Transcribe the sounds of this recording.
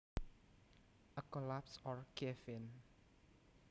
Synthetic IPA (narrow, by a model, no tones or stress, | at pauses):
əkɔlapsɔɹkefɪn